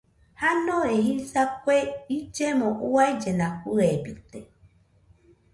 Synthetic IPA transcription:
hanõeɦisakʷeid͡ʒemõʔuaid͡ʒenãkuebɨt̪e

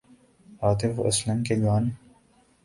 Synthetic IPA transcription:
aːt̪ɪfɐ̰slɐmkeɡaːn

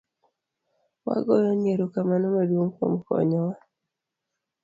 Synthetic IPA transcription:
wa̰ɡɔjɔɲeɾukamanɔmadwoŋko̰mkɔ̰ɲɔwa

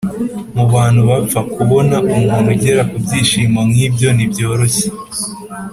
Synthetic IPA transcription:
muβaːn̥huβafakʰuβo̞naʔumɡumuɟe̞ɾakubɟiːʃiːmamŋiːbjo̞nibɟo̞ːɾo̞çe

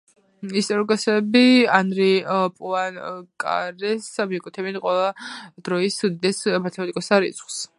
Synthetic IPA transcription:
ist̪ʼɔɾikʼɔsɛbianɾipʼuankʼa̰ɾɛsamiɛkʼut̪ʰɛbinqʼwɛlˠad̪̥ɾɔisud̪id̪ɛsmat̪ʰɛmat̪ikʼɔsaɾḭt̪sʰχws

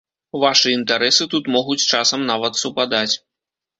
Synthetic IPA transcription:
vaʂɨint̪aɾɛsɨt̪ut̪mɔɣut͡sʲt͡ʂasɐmnavɐt̪supad̪at͡sʲ

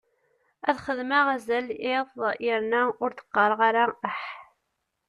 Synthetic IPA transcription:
æðχəðmæʁæzəlɪðˤiɾnæʊɾθə̥qːɑɾˤʁaɾaəħ

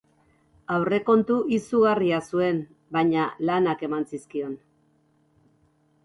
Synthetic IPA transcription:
awre̞ko̞nt̪uʔisuɣariasue̞n | baɲalanake̞mansiskio̞n

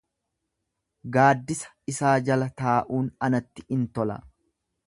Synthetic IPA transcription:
ɡaːd̪ːɪsɐ̥ɪsaːd͡ʒɐlɐt̪aːʔuːnɐnɐt̪ːɪɪnt̪ɔlɐ̰

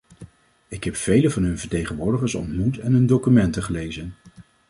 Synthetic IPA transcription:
ɪkɦɛpfejləvɑnɦɵnvəɹtejχənʋʊːɹdəχəɹsɔ̰ntmutɛnɦɵndowkymɛntəχəlejzən

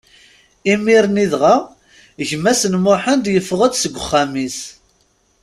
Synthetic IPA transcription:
imiɾniðʁa | ʝmːæsənmʊħənd̪jəfːəʁəd̪səɡʷːχːæmis

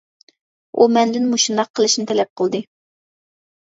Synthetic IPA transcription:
ʔumɛnd̪ɪnmuʃinɑqʰːəlˠɨʃnɨt̪ʰɛlɛp̚qʰəlˠd̪ɨ

